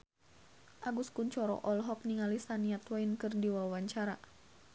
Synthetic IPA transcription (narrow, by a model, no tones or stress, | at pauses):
ʔaɡuskunt͡ʃɔɾɔ̰ʔɔlɦɔk̚niŋalisaniat̪wainkɨrdiwawaɲt͡ʃaɾa